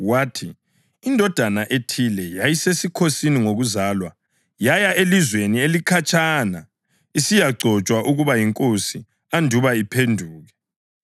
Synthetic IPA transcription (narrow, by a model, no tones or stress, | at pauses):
waːtʰiː | ndʱɔd̥ʱanaʔetʰilɛjajisesikʰosiniŋoɣuzaːlwa | jajaʔelizwenielikʰat͡ʃʼana | isijaɡ͡ǀʱɔt͡ʃʼwaʔuɣuβajiŋkʼosi | andʱuβaipʰendʱuːɣɛ